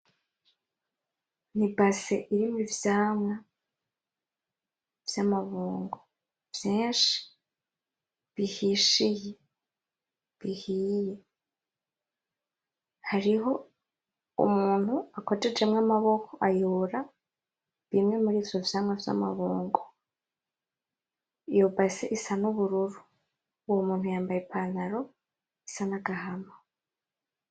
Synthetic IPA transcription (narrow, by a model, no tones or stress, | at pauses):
nibaseʔiɾimivjaːmŋa | v̥jamaβuːŋɡo | v̥jeːʃi̥ | βihiʃije | βihije | haɾiɦo̞ | ṵmuːn̥uakoted͡ʒe̞mŋamaβo̞kʰoʔajoːɾa | βimŋe̞muɾiːfoβsamŋavja̰ma̰βoːŋɡo | jobaseʔisanoβuɾuɾu | womuːn̥hujaːmbajepʰanaɾo̞ | isanaɡaɦama